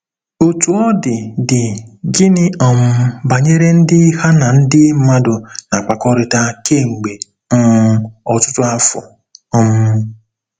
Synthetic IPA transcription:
o˨tu˨ɔ˦dɪ˨dɪ˨ɡɪ˦nɪ˦ɔ˨mʊ˦ba˨ɲe˦ɾe˦n̩˦dɪ˦ha˦na˨n̩˦dɪ˦ma˦dʊ˨na˨k͡pa˨kɔ˦ɾɪ˨ta˦ke˦˨ŋ͡m̩˨ɡ͡be˨ | ŋ̩˦ɔ˨tʊ˦tʊ˦a˦fʊ̰˨ | ɔ˦m̩˦

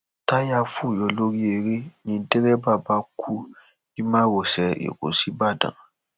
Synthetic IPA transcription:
ta˦ja˧fu˦˨jɔ˧lo˦ɾi˦e˨ɾe˦ɲĩ˧de˦ɾɛ˦ba˦˨ba˧kʰu˦ | i˦mã˦wɔ˨sɛ˨ʔḛ˨kṵ˨si˦ba˦˨dã̰˨

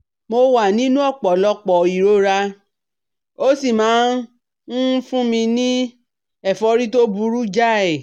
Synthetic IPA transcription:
mo˧wa˨nĩ˦nũ˦ɔ˦˨k͡pɔ˨lɔ˧k͡pɔ˨i˨ɾo˦ɾa˧ | o˦si˦˨mãː˨˦ | n̩˦fũ˦mĩ˧nĩ˦ | ɛ˦˨fɔ˧ɾi˦to˦bu˧ɾu˦d͡ʒa˦˨ɛ˨

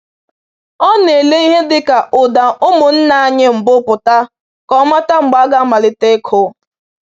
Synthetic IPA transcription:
ɔ˦ne˨le˦i˦ɦe˦dɪ˦ka˨ʔʊ˨da˨ʔʊ˦mʊ˨n̩˦na˦a˦ɲɪ˦m̩˨bʊ˦pʊ˨ta˦ | kɔ˨˦ma˦ta˦ŋ͡m̩˨ɡ͡ba˦ɡa˦ma˨lɪ˦te˦kʰʊ˦

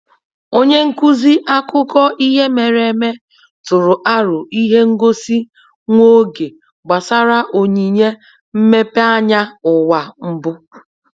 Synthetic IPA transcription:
o˦ɲe˦ŋ̩˦ku˦zi˦ʔa˦kʊ˦kɔ˦ʔi˦ɦe˦me˨ɾe˨me˦ | tʊ˨ɾʊ˨ʔa˦ɾʊ˨ʔi˦ɦe˦ŋ̩˦ɡo˦si˦ | ŋʷo˦ɡe˨ | ɡ͡ba˨sa˦ɾa˦ʔo˨ɲi˨ɲe˦ | m̩˦me˦pe˦a˦ɲa˦ʊ˨wa˨m̩˦bʊ˦

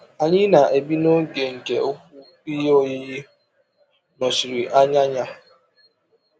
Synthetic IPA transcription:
a˨ɲɪ˦na˨ʔe˨bi˦no˦ɡe˨ŋ̩˨ke˨o˦ku˦ | i˦jo˦ji˦ji˦ | nɔ˨si˨ɾi˨ʔa˦ɲa˦ɲa˦

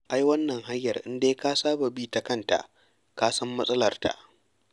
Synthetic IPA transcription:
ʔa˦jwɐ˦nːɐ˨ŋɦa˦jːɐ˨rʔɪ˦ndeː˦kaː˦saː˦ba˨biː˦ta˨kɐ˦˨nta̰˨ʔ | kaː˦sɐ˦mːɐ˦sʼɐ˦lɐ˨rta̰˨ʔ

